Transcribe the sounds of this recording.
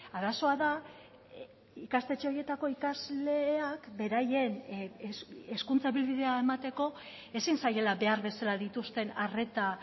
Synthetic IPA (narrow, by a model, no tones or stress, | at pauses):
aðaso̞aða | ikast̪e̞t͡ʃeo̞ɾje̞t̪ako̞ikazle̞akbe̞ɾaje̞n | eskunt͡saeβilβið̞e̞ae̞mat̪e̞ko̞ | e̞sinsaje̞laβe̞aɾβe̞salaðit̪ust̪e̞nare̞t̪a